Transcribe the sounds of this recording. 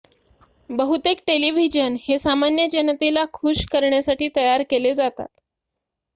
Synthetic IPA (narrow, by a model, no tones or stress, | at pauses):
bəɦut̪ek̚ʈeliʋ̤id͡ʑənhesamanjəd͡ʑənt̪elakʰuɕkəɾɳjasaʈiːt̪əjaɾkeled͡zat̪a̰t̪